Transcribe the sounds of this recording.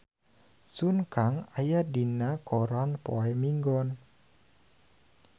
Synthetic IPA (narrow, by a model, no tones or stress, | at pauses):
sunkaŋajadinakɔɾanpɔɛmiŋɡɔn